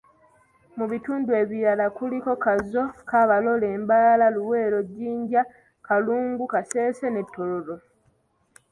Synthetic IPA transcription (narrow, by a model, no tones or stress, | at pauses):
muβituːndue̞ːβiɾalakuliko̞kazo̞kaβalo̞le̞ːmbalalaluwe̞ːɾo̞ɟːiːɲɟa | kaluːŋɡukase̞ːse̞ne̞tːo̞loɾo̞